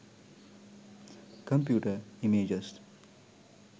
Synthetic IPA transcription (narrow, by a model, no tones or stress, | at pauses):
kɐmpjuːʈəimeːd͡ʒəs